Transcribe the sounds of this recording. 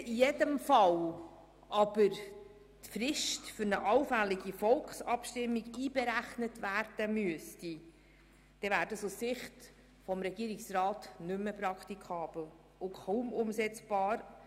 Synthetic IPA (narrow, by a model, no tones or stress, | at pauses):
ijedəmfɑl | ʔɑb̥əɾ | tfrɪʃtfʏɾnəʔɑʊfælɪɡifɔlkχsɑpʃtɪmːiɡiːb̥eɾæχnətvæːrd̥əmyəsti | d̥ɛvæːɾdəsussɪχt | fɔmɾɛɡiəɾɪksrɑːtnʏmːəprɑkt̪ikʰɑːb̥l̩ | ʊkʰɔːmʊmsɛt͡sb̥ɑːɾ